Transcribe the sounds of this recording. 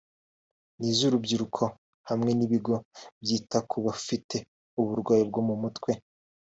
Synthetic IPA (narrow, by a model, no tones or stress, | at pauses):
niːzuɾubɟiɾukʰo̞ | hamŋe̞niβiɡo̞bjiːtakʰuβafitʰe̞ | uβuɾɡwaːjib̚ɡomumutkwe̞